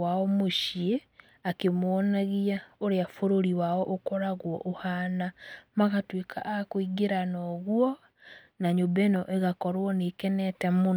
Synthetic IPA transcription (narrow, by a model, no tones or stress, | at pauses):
waɔmoʃie | akemwɔnaɣiaoɾeafoɾoɾiwaɔʔokɔɾaɣwɔ̰ʔohanamaɣatwekʰa̰ʔakoiɡeɾanɔɣwɔ | naɲobɛnɔʔeɣakɔɾwɔneːkɛnɛtɛmon